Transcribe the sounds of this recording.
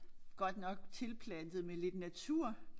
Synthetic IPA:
ɡ̥ɒ̽d̥nɒ̽ɡ̥̚t͡sʰe̝lpʰlænd̥ð̩ˠmele̝d̥næt͡sʰuɐ̰

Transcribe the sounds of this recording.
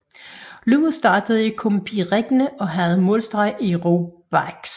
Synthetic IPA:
luːð̩ˠsd̥ɑ̈ːd̥əð̞̩ˠikʰompʰiʁeɡ̥nəʔɒ̽ɦæð̞̩ˠmɔ̰ːlsd̥ʁɑ̈ɪ̰ʔiʁob̥ɑɡ̥s

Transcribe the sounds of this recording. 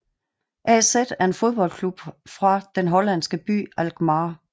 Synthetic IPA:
ʔæsed̥æɐe̝nfo̝ð̞ˠb̥ɒ̽l̰kʰlub̥fʁɑ̈d̥enɦɒ̽læn̰sɡ̥əb̥y̰ːælɡ̥mɑ̈ː

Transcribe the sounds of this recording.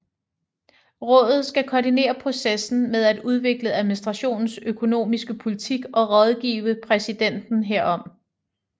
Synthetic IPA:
ʁɔ̽ːðˠð̞̩ˠsɡ̥ækʰɒːdine̝̰ːɐpʰʁo̝sesn̩með̞ˠæd̥uð̞ˠʋe̝ɡ̥ləæðˠminisd̥ʁɑ̈ɕo̝̰ːnn̩søkʰo̝no̝̰ːmisɡ̥əpʰo̝lit͡sʰiɡ̥ɒ̽ʁɒ̽ð̞ˠɡ̥ḭːʋəpʰʁɛsid̥en̰d̥n̩ɦeɐ̰ɒ̽m

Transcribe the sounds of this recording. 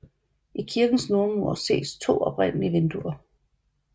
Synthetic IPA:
ʔikʰiɐɡ̥n̩snoɐnmuɐ̰se̝̰ːst͡sʰo̝̰ːɒ̽b̥ʁɛn̰əliʋend̥uɐ

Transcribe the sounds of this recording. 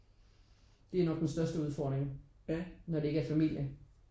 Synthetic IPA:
d̥e̝æɐnɒ̽ɡ̥d̥ensd̥ɶɐsd̥əuð̞ˠfɒ̰ːd̥ʁeŋb̥ænɒd̥e̝e̝ɡəæɐfæmil̰jə

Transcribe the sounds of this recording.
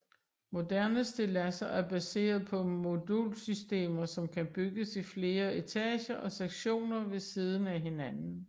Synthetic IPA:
mo̝d̥æɐnəsd̥e̝læsɐʔæɐb̥æse̝̰ːɐð̩ˠpʰɒ̽mo̝d̥ulsysd̥e̝̰ːmɐsɒ̽mkʰæb̥yɡ̥əsifle̝ːɐe̝t͡sʰɛːɕɐʔɒ̽seɡ̥ɕo̝̰ːnɐʋe̝siːð̞ˠn̩æɦe̝nænn̩

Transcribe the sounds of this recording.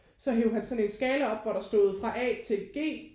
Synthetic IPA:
sɒ̽ɦeːʊɦænsɒ̽ne̝nsɡ̥ɛːləɒ̽b̥ʋɒɾ̥ɑ̈sd̥o̝ːð̩ˠfʁɑ̈ʔɛ̰ːt͡sʰe̝lɡ̥e̝̰ː

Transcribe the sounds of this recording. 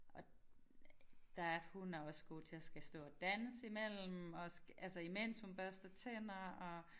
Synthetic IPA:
ʔɒ̽ | d̥ææɐhunæɐɒ̽sɡ̥o̝̰ːt͡sʰe̝æsɡ̥æsd̥ɔ̰ːɒd̥ænəsimel̰m̩ɒ̽sælsɒimen̰shunb̥ɶɐsd̥ɐt͡sʰenɐɒ̽

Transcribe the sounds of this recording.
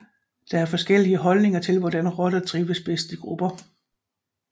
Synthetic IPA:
d̥ɑ̈æɐfɒ̽sɡ̥el̰iəɦɒ̽lne̝ŋɐt͡sʰe̝lʋɒdænʁɒd̥ɐt͡sʰʁiʊʋəsb̥esd̥iɡ̥ʁub̥ɐ

